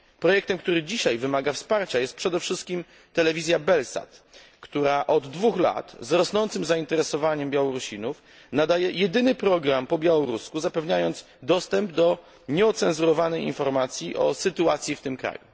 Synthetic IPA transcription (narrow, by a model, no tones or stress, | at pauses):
pɾɔjɛkt̪ɛmk̚t̪uɾɘd͡ʑiɕajvɘmaɡafspaɾt͡ɕajɛst̪̚pʂɛd̪ɛfʂɘst̪̚kʲim | t̪ɛlɛvʲizʲjabɛlsa̰t̪ | kt̪uɾaʔɔd̪ːvuxla̰t̪zɾɔsnɔnt̪sɘmzaint̪ɛɾɛsɔvaɲɛmbʲjawɔɾuɕlʲinuf | nad̪ajɛjɛd̪ɘnɘpɾɔɡɾampɔbʲjawɔɾuskuzapɛvɲajɔnd̪s | d̪ɔst̪ɛmbd̪ɔ | ɲɛɔt̪sɛnzuɾɔvanɛjḭnfɔɾmat̪sʲjiʔɔ̰sɘt̪uat̪sʲjift̪ɘmkɾa̰ju